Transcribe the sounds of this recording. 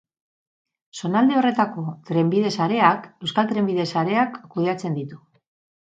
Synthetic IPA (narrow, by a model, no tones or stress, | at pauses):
so̞nald̪e̞o̞re̞t̪ako̞t̪ɾe̞mbiðe̞saɾe̞ake̞wskalt̪ɾe̞mbiðe̞saɾe̞akːuð̞e̞at͡se̞nd̪it̪u̥